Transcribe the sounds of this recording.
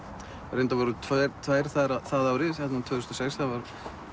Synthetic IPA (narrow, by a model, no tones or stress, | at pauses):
ɾejnt̪avɔɾʏt̪ʰaɾt̪ʰvaːjɾ̥θaɾaθaðaːwɾɪsɛt̪nat̪ʰvœːðʏst̪ɔ̥sɛksθavaɾ